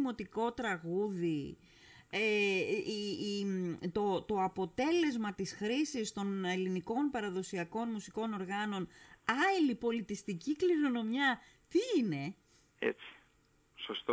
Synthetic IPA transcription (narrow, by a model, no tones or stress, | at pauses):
mo̞t̪iko̞t̪ɾɐɣuði | e | t̪ot̪o̞ɐpo̞t̪e̞le̞zmɐt̪isxɾisist̪o̞ne̞liniko̞npɐɾɐðo̞siɐko̞nmusiko̞no̞ɾɣɐno̞nɐlipo̞lit̪ist̪icikliɾo̞no̞mjɐ | t̪iine̞ | ḛt͡si̥ | sost̪